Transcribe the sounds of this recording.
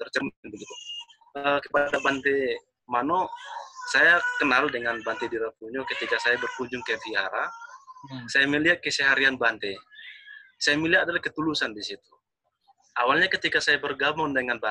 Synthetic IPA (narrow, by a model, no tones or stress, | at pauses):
t̪ərt͡ʃəmnbəɡit̪u | əkəpadabant̪e | manosajakənaldəŋanbant̪ediɾapuɲɔkət̪ikasajabərkuɲd͡ʒʊŋkaat̪iaɾa | sajaməliat̪̚kəsɛɦaɾianbant̪ɛ | sajamiliaadalahkət̪ulusandisit̪u | awalɲakət̪ikasajabərɡamʊndəŋanba